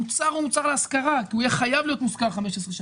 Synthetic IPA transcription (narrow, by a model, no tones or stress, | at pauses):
ut͡saʁumut͡saʁleaskaʁakiujeχajavlijo̞t̪muskaʁχameʃesʁeʃa